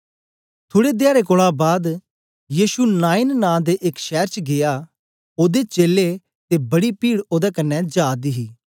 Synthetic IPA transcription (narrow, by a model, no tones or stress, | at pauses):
t̪ʰoːɽed̪ɪjaːɾekoːɭabaːd̪ | jiːʃunaːɪnnãːd̪eːʔɪkʃɛːɾt͡ʃɡɪjaː | oːd̪et͡ʃeːlːe | t̪eːbɐɽipiːɽoːd̪akənːɛd͡ʒaːd̪iɦiː